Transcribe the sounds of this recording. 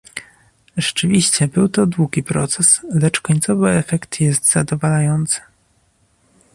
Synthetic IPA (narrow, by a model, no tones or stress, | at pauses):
ʐ̥ɛt͡ʂɘvʲiɕt͡ɕɛbɘwt̪ɔd̪wuɡʲipɾɔ̰t̪sɛslɛt͡ʂkɔɲt̪sɔvɘɛfɛkt̪jɛst̪z̥ad̪ɔvalajɔnt̪sɘ̥